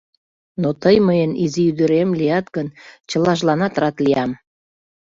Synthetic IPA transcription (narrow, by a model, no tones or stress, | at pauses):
not̪əjməjəniziyd̪əɾemlijɑt̪ɡənt͡ɕəlɑʒlɑnɑt̪rɑt̪lijɑm